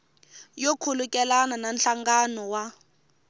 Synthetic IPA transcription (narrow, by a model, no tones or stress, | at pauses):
jokʰulukʼɛlanananɬaŋɡanɔwa